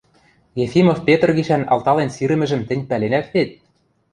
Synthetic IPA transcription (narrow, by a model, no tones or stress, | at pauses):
jefimofpʲet̪ɤ̆rɣiʃænɑ̰lˠt̪ɑlensiɾɘ̆mɘ̆ʒɘ̆mt̪ɘ̆nʲpælenæk̪βet̪̚ʲ